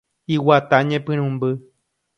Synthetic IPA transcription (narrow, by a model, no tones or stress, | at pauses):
iwat̪aɲẽpɨ̃ɾ̃ũmbɨ